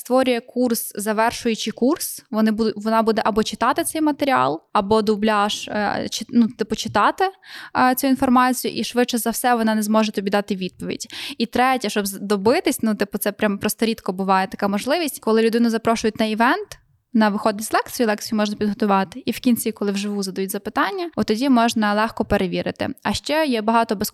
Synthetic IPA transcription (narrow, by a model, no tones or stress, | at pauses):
st̪ʋɔɾʲʊjɛkurszɐʋɛrʃʊjʊt͡ʃɪkursʋɔnɪbud̪ʋɔnɑbud̪ɛʔɐbɔt͡ʃɪ̥t̪ɑt̪ɪt̪sɛjmɐt̪eɾʲiɑ̰lˠɐbɔd̪ʊblʲaʃt͡ʃɪnut̪ɪpʊt͡ʃɪ̥t̪ɑt̪ɪt͡sʲuinfɔrmɑt͡sʲijʊ̰ʔiʃʋɪtt͡ʃɛzɐwsɛʋɔnɑnɛzmɔʒɛt̪ɔbʲid̪ɑt̪ɪʋʲid̪̚pɔʋʲḭdʲit̪ɾɛtʲɐʃt͡ʃɔbzd̪ɔbɪt̪ɪsʲnut̪ɪpʊt̪sɛpɾʲampɾɔst̪ɔɾʲit̪kɔbʊʋɑjet̪ɐkɑmɔʒlˠɪʋʲisʲtʲkɔlˠɪlʲʊd̪ɪnʊzɐpɾɔʃʊjʊtʲnɐiʋɛnt̪ | nɐʋɪxɔd̪ʲɪsʲzʲlˠɛkt͡sʲijulˠɛkt͡sʲijʊmɔʒnɐpʲid̪ɦɔt̪ʊʋɑt̪ɪ̥ʔiwkʲinʲt͡sʲikɔlˠɪwʒɪʋuzɐd̪ɐjutʲzɐpɪt̪ɑnʲːɐɔt̪ɔdʲimɔʒnɐlˠɛxkɔpeɾʔeʋʲiɾɪ̰t̪ɪ̰ɐʃt͡ʃɛjɛbɐɦɑt̪ɔbes